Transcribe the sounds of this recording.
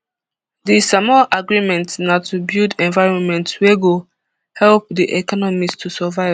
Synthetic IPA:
disamɔlʔaɡɹimɛ̃ntnatubildɛ̃nvaɪɹɔ̃nmɛ̃ntweɡo | hɛlp̚diʔɛkɔnɔmistʰusɛvaɪv

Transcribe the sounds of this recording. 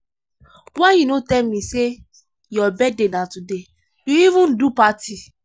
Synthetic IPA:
wajunotɛlmĩse | jɔbɛdenãtude | juivũndupati

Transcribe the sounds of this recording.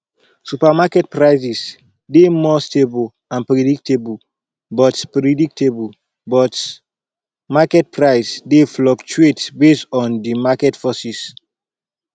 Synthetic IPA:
supamakɛt̚pɹaɪsis | demɔstebl | ãnpɾɛdik̚tebl | bɔtpɹɛdik̚tʰebl | bɔt | makɛt̚pɹaɪsdeflɔkt͡ʃuetbestɔ̃ndimakɛtfɔsis

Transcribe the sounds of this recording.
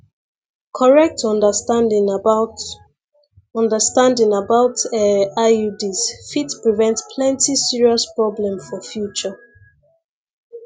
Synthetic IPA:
kʰɔɹɛk̚tʰɔ̃ndəstãndɪ̃ŋ | ɔ̃ndəstãndɪ̃ŋabaʊtɛaudisfitpɹivɛ̃ntspʰlɛ̃ntisiɹiɔspɹɔblɛ̃mfɔfjut͡ʃə

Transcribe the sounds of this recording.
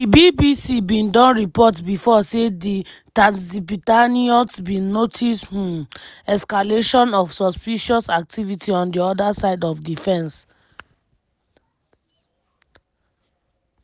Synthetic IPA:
dibibisibĩndɔ̃nɹipɔtbifɔseditãnsipitaniɔtbĩnːotʰish | ɛskaleʃɔ̃nɔfsɔspiʃɔsak̚tʰivitʰiɔ̃ndiɔdasaɪdɔfdifɛ̃ns

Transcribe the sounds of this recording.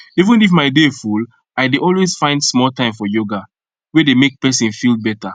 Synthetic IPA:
ivə̃nifmaɪdeful | aɪdeʔɔlwez̥fãɪ̃ndsmɔlˠtãɪ̃mfɔjoɡa | wedemek̚pɛsĩnfilˠbɛta

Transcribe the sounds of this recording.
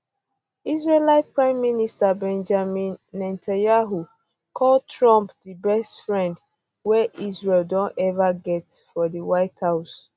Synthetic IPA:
izɹelaɪt̚pɹãɪ̃mːinistabɛ̃nd͡ʒamĩnːɛ̃ntʰãnjaɦu | kʰɔltʰɹɔ̃mpdibɛstfɹɛ̃nd | wɛʔizɹeldɔ̃ntɛvaɡɛtfɔdiwaɪthaʊs

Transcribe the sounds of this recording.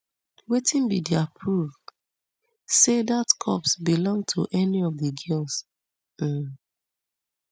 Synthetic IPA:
wetĩnbidiapʰɹuv | sedatkʰɔ̰psbilɔ̃ŋtʰṵʔɛniɔvðəɡɛls̩

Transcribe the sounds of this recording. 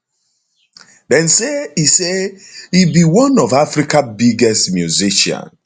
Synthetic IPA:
dɛ̃nseiseibiwɔ̃nɔvafɾikabiɡɛstmjuziʃã̰n

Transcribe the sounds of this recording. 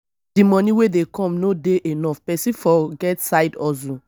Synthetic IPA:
dimɔ̃nĩwedekɔ̃mnodeʔenɔfpɛsĩfɔɡɛtsaɪdɔzũ

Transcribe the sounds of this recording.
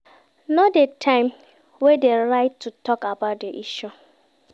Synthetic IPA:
nɔdetʰãɪ̃m | wedeɾaɪtʰːutɔkabat̚deʔiʃu

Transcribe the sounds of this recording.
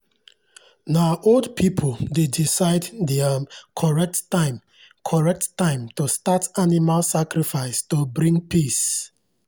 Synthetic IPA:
naʔoldpʰipʰoldedisaɪddɛakʰɔɹɛk̚tːãɪ̃m | kʰɔɹɛk̚tːãɪ̃mtostatanimalsakɾifaɪstobɾĩŋɡpis

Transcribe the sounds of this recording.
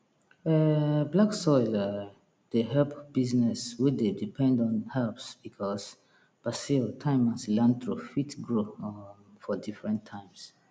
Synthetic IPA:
ɛblaksɔɪla | d̥eɦɛlpb̥iznɛswidedipʰɛ̃ndɔ̃nhɛlpsb̥ikʰɔs | b̥asiltʰãɪ̃mãslãnt̪ɹufitɡɹo | fɔdifɹɛ̃ntʰːãɪ̃ms

